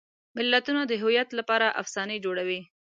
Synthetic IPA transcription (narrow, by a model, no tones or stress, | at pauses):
mɪlːat̪unad̪əɦʊjat̪lapɑɾaʔa̰fsɑned͡ʒoɽawi